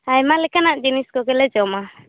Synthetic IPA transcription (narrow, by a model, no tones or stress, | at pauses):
ajmalɛkanaʔd͡ʒiniskɔɡɛlɛd͡ʒɔma